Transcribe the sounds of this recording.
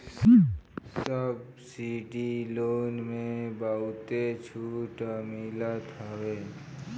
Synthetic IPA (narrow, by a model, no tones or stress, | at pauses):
s | səb̚ | siːɖiloːnmẽbaːut̪et͡ʃʰuːʈamiːlat̪ʰaweː